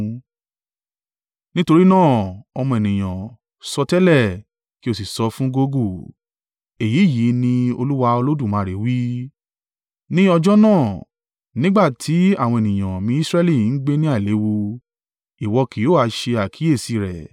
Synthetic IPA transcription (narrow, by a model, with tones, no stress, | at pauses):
nĩ˦to˧ɾi˦nãː˦˨ɔ˧mɔ̃˧e˨nĩ˨j̃ã˨ | sɔ˧tɛ˦lɛ˦˨ | ki˦o˦˨s̬i˨sɔ˧fũ˦ɡo˧ɡu˦˨ | e˨jiː˨˦˨ji˨˦nĩ˧o˧lu˦wa˧o˧lo˦dũ˦˨mãː˨˦˨ɾe˨˦wi˦ | nĩ˦ɔ˧d͡ʒɔ˦nãː˦˨ | nĩ˦ɡ͡ba˦˨tʰi˨˦a˦˨w̃ɔ̃˧e˨nĩ˨j̃ã˨mĩ˧˦sɾɛ˦li˦˨n̩˦ɡ͡be˦nĩ˦a˦˨le˨˦wu˧ | i˨wɔ˧ki˨˦oː˦˨a˧ʃe˧a˨kʰi˨˦e˦˨si˧˦˨ɾɛ̰˨